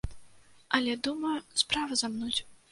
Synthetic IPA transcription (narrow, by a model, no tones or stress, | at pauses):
ɐlʲɛd̪umɐspɾavɐzamnut͡sʲ